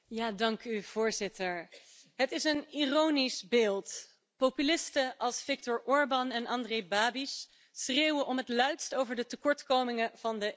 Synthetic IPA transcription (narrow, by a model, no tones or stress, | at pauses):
jaːdɑŋkyv̥ʊːɹzɪtəɹ | ɦətɪsənirownisbeːlˠt | popylɪstəʔɑlˠsfɪk̚tɔɹʔɔɹbɑnɛnʔɑndrejbaːbis | sreːwəʔɔmɦətlœɥtstowvəɹdətəkɔɹtkowmɪŋəv̥ɑndə